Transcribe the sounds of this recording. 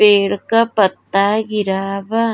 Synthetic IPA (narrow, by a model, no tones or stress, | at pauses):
eːɽkapɐt̪ːaːɡɪɾaːba